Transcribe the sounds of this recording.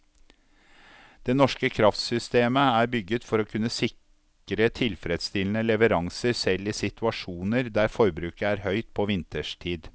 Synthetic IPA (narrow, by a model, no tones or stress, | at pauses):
d̪̥eːnɔʂkəkʰɾɑft̪sʏst̪eːməæːɾbʏɡət̪fɔɾoːkʰʉnːəsɪk | ɾət̪ʰɪlfɾɛd̪st̪ɪlən̩əlɛʋəɾɑŋsəɾsɛlːiːsɪt̪ʉɑʂuːnəɾd̪æːɾfɔɾbɾʉːkəæːɾhœʏt̪̚pʰoʋɪnt̪əʂtʰiːd̪